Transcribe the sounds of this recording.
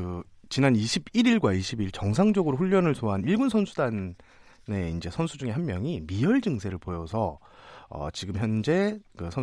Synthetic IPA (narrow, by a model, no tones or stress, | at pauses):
ɯ | t͡ɕinaniɕʰibiɾiɭɡwaiɕʰibiɭt͡ɕʌŋsʰaŋd͡ʑʌɡɯɾoɸuʎːʌnɯɭsʰoɦaniɭɡunsʰʌnsʰudan | ne̞ind͡ʑe̞sʰʌnsʰud͡ʑuŋe̞ɦanmjʌŋimijʌɭd͡ʑɯŋsʰe̞ɾɯɭpojʌsʰʌ | ʌ̰t͡ɕiɡɯmçjʌnd͡ʑe̞kɯsʰʌ